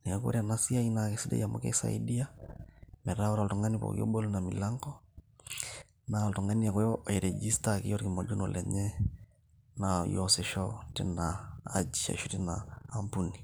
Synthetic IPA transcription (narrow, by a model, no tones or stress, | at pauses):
niakṵɾanasiainakesidɛ̰jamo̰kɛ̰sa̰ḭdia | mɛɾaɔɾaltɔŋɡanipɔ̰kḭɔ̰ɓɔlunamilaŋɡɔ | naltɔŋaniakɔjɔɛɾɛd͡ʒistakḭjɔɾkimɔd͡ʒunɔlʔɛ̰ɲɛ | najɔsɛʃɔtɛnaːd͡ʒia̰ʃutɛnaːmpuni